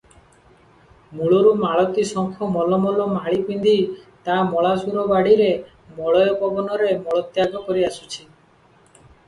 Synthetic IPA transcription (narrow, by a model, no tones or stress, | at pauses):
muɭoɾumaɭɔt̪isɔŋkʰɔmɔlɔmɔlɔmaɭipind̪it̪amɔɭasuɾɔbaɽiɾe | mɔɭɔjɔpɔbɔnɔɾemɔɭɔt̪jaɡɔkɔɾiasut͡ʃʰi